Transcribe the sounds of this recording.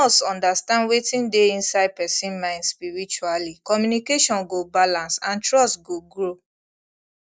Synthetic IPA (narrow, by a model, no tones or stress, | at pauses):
ɔsɔ̃ndastãndwetĩndeĩnsaɪd̚pɛsĩnmãɪ̃ndspiɹit͡ʃualikɔmjunikeʃɔ̃nɡobalãnsãntɹɔstɡoɡɹo